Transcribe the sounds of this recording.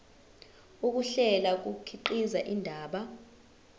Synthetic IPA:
uk̬uɬɛlak̬ukʰiǃizaʔindʱaːɓa

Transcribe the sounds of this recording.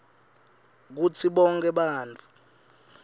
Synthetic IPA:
k̬ut͡sʰiɓɔŋkʰʼɛɓaːnt͡fʰʼu̥

